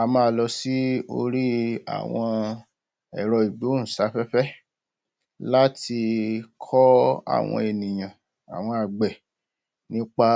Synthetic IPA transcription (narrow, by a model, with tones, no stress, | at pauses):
a˨mãː˦˧lɔ˧si˦o̰˧ɾi˦a̰˨w̃ɔ̃˧ | ɛ̰˨ɾɔ˨i˨ɡ͡bi˨˦o˦ñ̩˨sa˨˦fɛ˦fɛ˦ | la˦ti˧kʰɔ˦a̰˦˨w̃ɔ̰̃˧e˨nĩ˨j̃ã˨ | a̰˨w̃ɔ̃˧a˨ɡ͡bɛ˨ | nĩ˦k͡pa˦